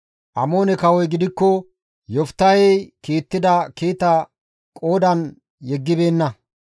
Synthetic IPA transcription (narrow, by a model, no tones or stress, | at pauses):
ʔɐmo̞ːnɛkɐwɔjɡɪd̪ɪkːɔ | jɔft̪ːɐjɛjkiːt̪ːɪd̪ɐkiːt̪ɐ | kʼo̞ːd̪ɐn | jɛɡːɪbe̞ːnːɐ